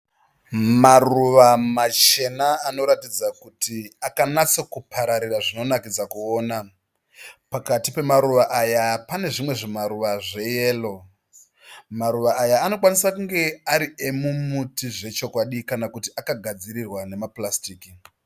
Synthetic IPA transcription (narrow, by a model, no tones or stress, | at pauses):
maruʋamat͡ʃe̞naːno̞ɾatid͡zakutiakanat͡sokupʰaɾaɾiraʐino̞nakid͡zakuoːna | pakatipe̞maɾuʋaʔajapane̞ʐimwe̞ʐimaɾuʋaʐe̞je̞ːlo̞ | maɾuʋaːjaːno̞kwanisakuŋɡe̞aɾiemumutiʐe̞t͡ʃo̞kwaɗikanakutiakaɡʱad͡ziɾirwane̞maplastiːki